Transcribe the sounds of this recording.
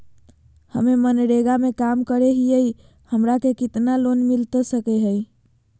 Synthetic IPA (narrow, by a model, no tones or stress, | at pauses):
hə̰memənɽeɡamẽkaːmkəɾeɦiəi | həmɾakekɪt̪nalonmɪlt̪esəkeɦəi